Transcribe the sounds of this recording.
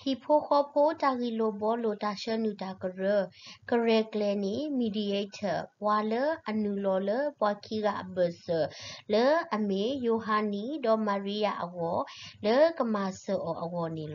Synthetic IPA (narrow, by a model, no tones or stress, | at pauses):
hipʰokʰɔpʰotaɣilobɔlotaʃənutakəɹəkəɹɛklɛnimidietʰəpwaləənulɔləpwakʰiɡaʔə̰bəsələəmejoɦanidɔmaɹijaʔə̰ɣɔləkəmasəʔɔʔəɣɔnilɔ